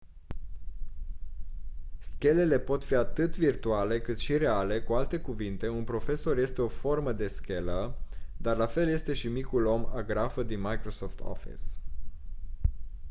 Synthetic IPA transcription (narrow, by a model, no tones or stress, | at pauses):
skʲe̞le̞le̞po̞t̪fiat̪ɨt̪virt̪uale̞kɨt̪ʃiɾe̞ale̞kualt̪e̞kuvint̪e̞unpɾo̞fe̞so̞rje̞st̪e̞o̞fo̞rməd̪e̞skʲe̞ləd̪arlafe̞lje̞st̪e̞ʃimikulo̞maɡɾafəd̪inmajkɾo̞so̞ft̪ʰo̰fḭs